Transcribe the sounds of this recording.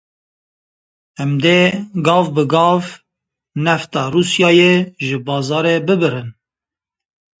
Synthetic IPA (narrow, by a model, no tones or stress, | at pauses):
ɛmd̪eɡɑːvbɨɡɑːv | nɛft̪ɑːruːsjɑːjeʒɨbɑːzɑːɾebɨbɨɾɨn